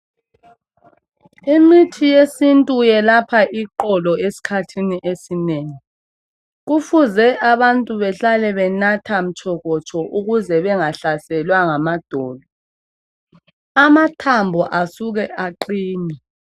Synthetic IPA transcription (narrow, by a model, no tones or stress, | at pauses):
imitʰijesintʼujɛlapʰaʔiǃɔlɔesi̥kʰatʰiniʔesineːŋi | ɣufuzɛʔaβantʼuβɛɬalɛβɛnatʰam̩t͡ʃʰɔɣɔt͡ʃʼɔʔuɣuzɛβɛŋaɬasɛlwaŋamad̥ʱɔːlɔ | amatʰambʱɔʔasuɣɛʔaǃiːni